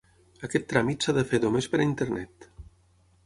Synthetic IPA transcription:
akɛt̪ːɾamit̪saðəfeðomespəɾaint̪eɾnɛt̪

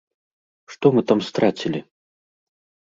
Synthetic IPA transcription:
ʂt̪ɔmɨt̪amst̪ɾat͡sʲilʲi

